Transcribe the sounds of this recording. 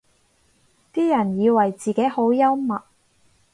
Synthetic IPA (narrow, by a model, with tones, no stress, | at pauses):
t̪iː˥jɐ˨˩njiː˨˧wɐ˨˩jt͡siː˨˩ke˨˥jho˨˥wjɐ˥wmɐ˨t̚